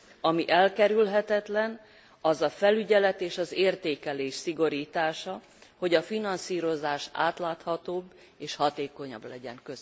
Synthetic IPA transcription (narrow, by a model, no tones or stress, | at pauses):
ɒmiʔɛlkɛɾylɦɛt̪ɛt̪lɛn | ɒzɒfɛlyɟɛlɛt̪eːʃɒzeːrt̪eːkɛleːʃsiɡo̞ɾiːt̪aːʃɒ | ho̞ɟɒfinɒnsiːɾo̞zaːʃa̰ːt̪laːt̪hɒt̪oːbː | eːʃhɒt̪eːko̞ɲɒ̰blɛɟɛ̰ŋkøz